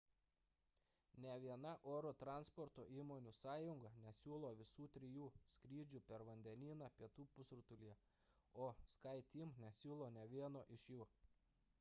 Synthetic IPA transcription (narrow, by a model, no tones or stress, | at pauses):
nʲɛʋʲiɛnɐʔoːɾoːt̪ɾɑnspɔɾt̪oːʔiːmoːnʲuːsɑːjʊŋɡɐnʲɛsʲuːlˠoːʋʲɪsuːt̪ʲɾʲɪjuːsʲkɾʲiːd͡ʒʲuːpʲɛɾʋɐnʲd̪ʲɛnʲiːnɑːpʲiɛt̪uːpʊsɾʊt̪ʊlʲijɛ | oːskɐɪt̪ʲiːmnʲɛsʲuːlˠoːnʲɛʋʲiɛnoːʔɪʃʲjuː